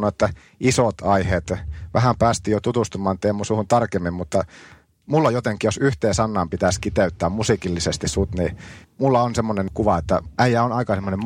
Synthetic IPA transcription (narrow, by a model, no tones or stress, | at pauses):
nːoet̪ːæ | isot̪ɑihet̪ʋʔæ̰hæmpæːst̪iːjot̪ut̪ust̪umɑːnt̪eːmːosuhunt̪ɑrkemːimmut̪ːɑ | mulːojot̪eŋkːˑijosyht̪eːnsɑnːɑːmpit̪æskit̪eyt̪ːæːmmusikilːisest̪issut̪nimulːɑonsemːoneŋkuʋɑet̪ːæ̰ʔæijæonɑikɑsemːonem